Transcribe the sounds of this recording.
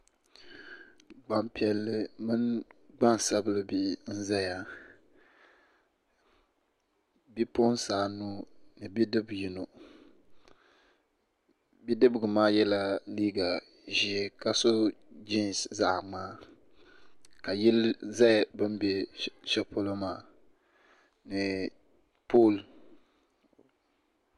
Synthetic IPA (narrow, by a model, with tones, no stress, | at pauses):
ɡ͡ba˨mpi˨ɛ˨lːɨ˨mɨ˦nɡ͡ba˦n˨sa˦bɨ˦lɨ˦˨bi˦˨n̩˦za˦ja˨ | bi˦po˦nsaː˨nu˦nɨ˨bi˦dɨ˦bji˨no˨ | bi˦dɨ˦bɨ˨ɡɨ˨maː˦jɛ˦la˨liː˦ɡa˨ | ʒi˨ɛ˨ka˦so˦d͡ʒi˦n˨sza˨ʔŋ͡maː˦ | ka˨ji˦lza˦˨bɨ˦mbɛ˦ʃɛ˦pʰo˦lo˦maː˨ | nɨ˨ | pʰoː˦˨l